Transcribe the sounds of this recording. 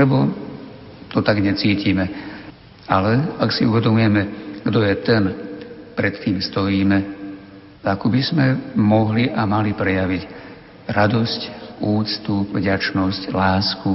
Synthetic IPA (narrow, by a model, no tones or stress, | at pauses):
lɛbɔ | t̪ɔt̪aɡɲɛt͡siːcimɛ | alɛaksiuʋɛd̪ɔmujɛmɛɡ̥d̪ɔjɛt̪ɛnpɾɛt̪k̪iːmst̪ɔjiːmɛ | akubizmɛmɔɦliʔamalipɾɛjaʋiɟ | ɾad̪ɔscuːt͡st̪upvɟat͡ʃnɔsclaːsku